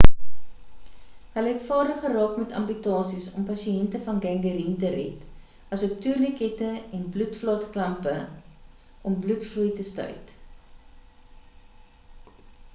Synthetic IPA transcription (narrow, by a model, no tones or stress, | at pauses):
ɦəlɦɛtfɑːrdəχərɑːkmɛtɐ̰mpytɑːsisɔmpɐsiɛntəfɐnɡæŋɡəɾintərɛ̰t | ɐsɔp̚tyrnəkɛtəɛnblutflɑːtklɐmpə | ʔɔmblutfrujtəstœ̰jt